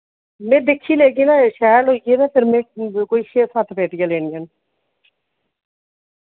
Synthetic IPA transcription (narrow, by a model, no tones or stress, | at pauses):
mẽːd̪eːkʰːiːleːɡiːnaːʃɛːloːiɡeːnaːpʰɪɾmẽːkoːiʃeːsat̪ʰpeːʈjaleːnɪjaːn